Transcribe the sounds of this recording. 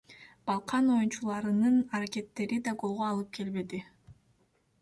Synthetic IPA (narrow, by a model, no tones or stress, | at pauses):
b̥ɑlˠqʰɑno̞junt͡ʃulˠɑɾɯnɯnaɾakʲe̞t̪ːe̞ɾid̪ɑɡo̞lˠʁoɑlˠɯp̚ke̞lbe̞d̪i